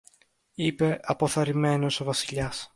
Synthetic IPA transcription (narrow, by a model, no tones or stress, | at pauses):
ipe̞ʔɐpo̞θɐɾime̞no̞so̞vɐsiʎɐs